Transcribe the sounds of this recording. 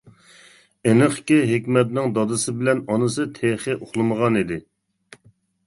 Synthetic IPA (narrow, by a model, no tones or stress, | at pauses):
enɨχkʲiɦekʲmɛt̪nɪŋd̪ɑd̪ɨsɨbɪlɛnɑnɨsɨt̪ʰeχɪʔoχlˠɨməʁɑnid̪ɪ